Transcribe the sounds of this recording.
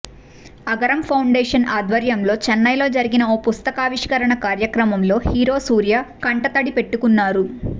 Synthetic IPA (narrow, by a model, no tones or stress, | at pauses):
ɐɡɐɾɐmpʰɐwɳɖeːʂɐnʔaːd̪ʋɐɾjɐmlo̞ːt͡ʃɛnːɐjlo̞ːd͡ʒɐɾiɡinɐoːpust̪ɐkaːʋiʂkɐɾɐɳɐkaːɾjɐkɾɐmɐmlo̞ːhiːɾo̞ːsuːɾjakɐɳʈɐt̪ɐɽipe̞ʈːukunːaːɾu